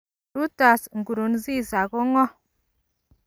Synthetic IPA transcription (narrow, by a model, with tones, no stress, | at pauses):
u˦ta˨sŋ˨ɡu˨ɾu˨nzi˦˨za˨ɡo˦ŋɔ˦